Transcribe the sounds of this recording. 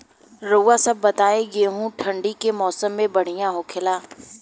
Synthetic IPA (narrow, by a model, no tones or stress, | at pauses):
ɾoːasɐb̚ːɐt̪aːeɡeːɦũʈʰɐ̃ɳɖikemɔːsəmːẽbɐɽ̤ijãɦoːkʰɪlaː